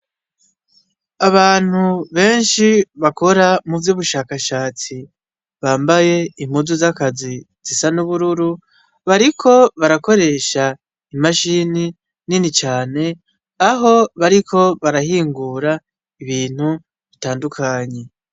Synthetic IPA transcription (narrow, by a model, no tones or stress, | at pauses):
aβaːn̥huβe̞ːnʃiβako̞ɾamuvjuːβuʃaːkaʃaːt͡si | βaːmbaje̞im̥huzuzakazi | z̥isanuβuɾuɾu | βaɾikʰo̞βaɾako̞ɾe̞ːʃa | imaʃini | ninit͡ʃaːne̞ | aɦo̞βaɾikʰo̞βaɾahiːŋɡuɾa | iβiːn̥hu | βitaːndukʰaɲe̞